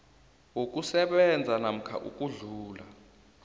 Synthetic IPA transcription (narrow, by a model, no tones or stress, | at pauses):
wok̬ʼusɛɓɛnd͡zʱanam̩kʰa̰ʔṵkʼuɮuːla̰